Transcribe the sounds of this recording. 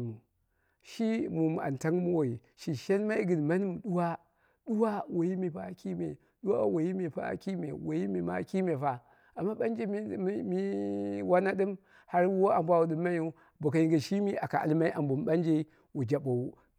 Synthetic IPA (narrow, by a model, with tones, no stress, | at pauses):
mu˨ | ʃi˦mu˨m˨a̰˨n˨ta˦ŋ˦mu˦wo˨ji˨ | ʃi˨ʃe˦n˦ma˦i˦ɡɨ˨n˨ma˦ni˦m˨ɗu˦wa˦ | ɗu˦wa˦wo˨ji˦mi˨pa˨˦˨ki˦mḛ˨ | ɗu˦wa̰˦wo˨ji˦me˨pa̰˦˨˦ki˦mḛ˨wo˨ji˦me˨ma̰˦ki˦me˨fa˨ | a˨mːa˦ɓa˦nd͡ʒe˦mi˦wa˦na˦ɗɨ˦m | ha˦ɾwo˦a˨mbʷa˦wu˨ɗɨ˨mːa˦ju˦˨ | bo˨ka˨ji˨ɡa˨ʃi˦mi˦ʔa˨ka˨ʔa̰˨lma˦i˦ʔa˨mbu˨m˦ɓa˦nd͡ʒe˦ | wu˨d͡ʒa˨ɓo˨u˦